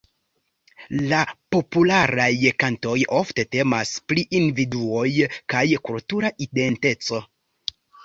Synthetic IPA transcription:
lapo̞pulaɾajkanto̞jo̞fte̞te̞maspliʔindividuo̞jkajkultuɾaʔide̞nte̞t͡so̞

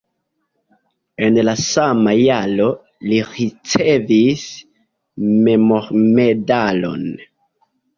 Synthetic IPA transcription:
e̞nlasamajalo̞ | liɾit͡se̞vis | me̞moɾme̞dalo̞̰n

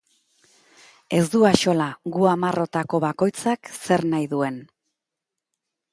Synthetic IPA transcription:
e̞zd̪uaʃo̞laɡuamaro̞t̪ako̞βako̞jt͡sakse̞ɾnajðue̞n

